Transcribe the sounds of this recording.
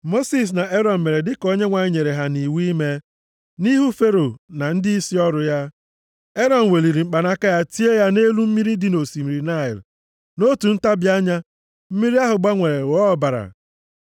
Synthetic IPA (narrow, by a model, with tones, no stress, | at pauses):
mo˦si˨s̬na˨ʔe˦ɾɔ˨m̩˨me˨ɾe˨dɪ˦ko˦ɲe˦ŋʷa˨ɲɪ˦ɲe˨ɾe˨ɦa˦ni˨wi˦me˦ | ni˦ɦu˦fe˦ɾo˨na˨n̩˦dɪ˦i˦si˦ɔ˦ɾʊ˨ja˦ | e˦ɾɔ˨n̩˨we˨li˨ɾi˨ŋ͡m̩˨k͡pa˨na˦ka˦ja˦ti˦e˦ja˦ne˦lu˦m̩˦mi˦ɾi˦dɪ˦no˨si˨mi˨ɾi˨na˦˨ɪ̰˨l | no˦tu˨n̩˦ta˦bja˦ɲa˦ | m̩˦mi˦ɾi˦a˦ɦʊ˨ɡ͡ba˦ŋʷe˨ɾe˨wɔ˨˦˨ba˨ɾa̰˨